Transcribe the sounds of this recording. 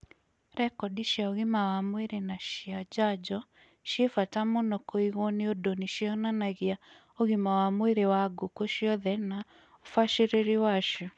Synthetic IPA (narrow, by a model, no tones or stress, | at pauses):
ɾɛkɔdiʃjaoɣɪmawamweɾenaʃiad͡ʒad͡ʒɔ | ʃefatamonɔkoiɣɔneodoniʃiɔnanaɣia | oɣimawamweɾewaɡokoʃiɔðɛna | ofaʃeɾeɾiwaʃɔ